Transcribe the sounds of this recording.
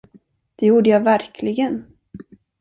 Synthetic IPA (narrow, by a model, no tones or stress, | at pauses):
d̪̥ɛjuːɖəjɑːvæɾkʰlɪɡən